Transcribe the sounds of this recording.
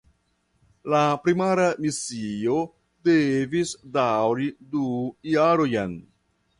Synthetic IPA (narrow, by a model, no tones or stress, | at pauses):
lapɾimaɾamisio̞ | devisdawɾidujaɾojan